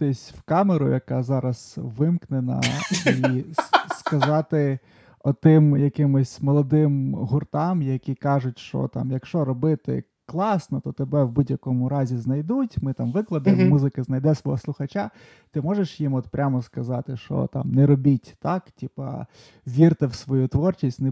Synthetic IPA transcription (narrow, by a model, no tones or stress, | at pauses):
t̪ɪsʲwkɑmeɾʊ̰jɐkɑzɑɾɐz̥ʋɪmknenɐ̰i | skɐzɑt̪ɪ | ɔt̪ɪmjɐkɪmʊsʲmɔlˠɔd̪ɪmɦʊrt̪ɑmjɐkʲikɑʐʊtʲʃt͡ʃɔ̰t̪ɑ̰mjɐkʃt͡ʃɔɾɔbɪt̪ɪ̰ | klˠɑsnɔt̪ɔt̪ebɛwbudʲjɐkɔmʊɾɑzʲiznɐjd̪utʲmɪt̪ɑmʋɪklˠɐd̪ɐmuzɪkɪznɐjd̪ɛsʋɔɦɔslˠʊxɐt͡ʃa | t̪ɪmɔʒeʃjimɔt̪pɾʲʔamɔskɐzɑt̪ɪʃɔ̰t̪ɑ̰mnɛɾɔbʲitʲt̪ɑktʲipɐ̰ | ʋʲirt̪ɪwsʋɔjut̪ʋɔrt͡ʃisʲtʲnɛ